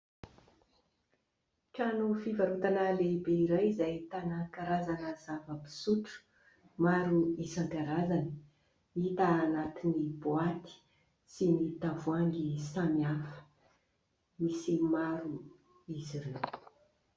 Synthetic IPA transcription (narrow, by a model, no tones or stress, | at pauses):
ʈ͡ʂanufivaɾut̪analebeiɾajizajt̪anakaɾazanəzavəpi̥suʈ͡ʂu̥ | maɾuisaŋɡaɾazani̥ | it̪aːnat̪iniboat̪i̥ | sinit̪avuaŋɡisamiafə̥ | misimaɾu | iziɾew